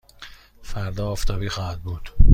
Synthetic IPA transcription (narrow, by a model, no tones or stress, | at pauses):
fæɾd̪ɒːft̪ʰɒːbiːxɒːhæd̪̚buːd̪̥